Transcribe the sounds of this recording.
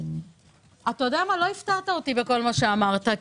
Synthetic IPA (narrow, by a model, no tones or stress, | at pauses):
at̪ajo̞deamalo̞iftaʁt̪ao̞t̪ibeko̞lmaʃe̞amaʁt̪a